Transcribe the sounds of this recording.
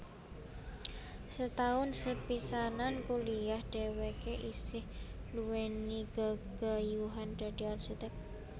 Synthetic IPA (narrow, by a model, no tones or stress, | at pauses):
sət̪aʊnsəpisanankuliahd̥ewekeʔisɪhluwɛniɡ̥aɡ̥ajuɦandadiarʃit̪ɛk̚